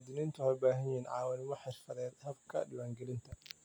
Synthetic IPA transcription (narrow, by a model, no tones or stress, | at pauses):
d̪ɪnɪnt̪ʰʊħejbaːɦɐnjɪhiːnʕɑ̰ːwɐnɪmɔħɪʃfɐðɛːd̪hɐbkʰɐ̰ɖɪwaːŋɡɛlɪnt̪ʰɐ